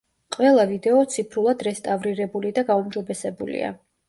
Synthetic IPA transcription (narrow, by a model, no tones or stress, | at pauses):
qʼwɛlˠavid̪ɛɔt̪sʰipʰɾulˠad̪ɾɛst̪ʼavɾiɾɛbulid̪aɡaumd͡ʒɔbɛsɛbṵlḭa̰